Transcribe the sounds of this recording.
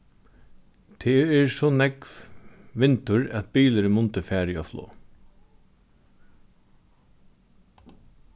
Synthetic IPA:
t̪ʰɛːɛɹsɔnɛkʋʋɪnt̪ʊɾæt̪biːləɾmʊnt̪əfæːɾɪɔflo̰ː

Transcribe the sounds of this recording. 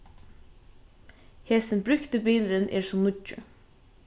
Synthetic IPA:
heːsənbɾʉkt̪ibiːlɾənʔḛːɹsɔmnʊd͡ʒʉ̰

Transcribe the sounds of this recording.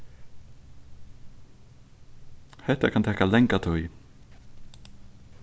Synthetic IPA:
hɛht̪akʰant̪ʰɛːkalɛŋkat̪ʰɔj

